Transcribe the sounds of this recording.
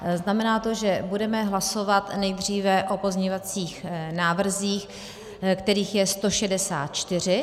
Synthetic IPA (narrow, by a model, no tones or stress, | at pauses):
znamɛnaːt̪o̞ʒɛbudɛmɛɦlaso̞vat̪nɛjd̪r̝iːvɛʔo̞po̞zɲɛovat͡siːxnaːvr̩ziːx | kt̪ɛɾiːxjɛst̪o̞ʃɛdɛsa̰ːt̪̚t͡ʃt̪ɪr̝ɪ